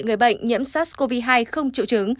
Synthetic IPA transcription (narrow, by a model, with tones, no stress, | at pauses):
ŋɨ˨˩əjɓə̰˧˨jŋ̟ɲḭ˧˥əmsaː˦˥ko˧vi˧ɦaː˧jxə˧wŋ͡mt͡ɕḭ˧˨wt͡ɕɨ˨˦ŋ